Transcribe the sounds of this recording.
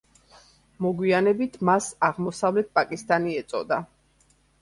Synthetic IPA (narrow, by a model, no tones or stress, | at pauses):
mɔɡwianɛbit̪ʰmasaʁmɔsavlɛt̪̚pʼakʼist̪ʼaniɛt̪sʼɔ̰d̪a